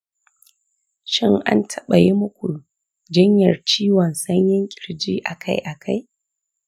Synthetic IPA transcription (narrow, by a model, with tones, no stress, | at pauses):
ʃɪ˦˨ŋʔa̰˦ntʰɐ˦ɓɐ˨je˦mʊ˦kʷu˨ | d͡ʒɪ˦ɲjɐ˨rt͡ʃiː˦wɔ˨nsɐ˦ɲjɪ˦ŋkʲʼɪ̥˨ɾd͡ʒiː˦ʔa˨kʰa˦jʔa˨kʰa˦j